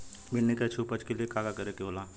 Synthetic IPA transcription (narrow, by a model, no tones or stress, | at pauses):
bʱɪɽnekat͡ʃʰupət͡ʃkeliekaːɡakɐɾekeɦoːlaː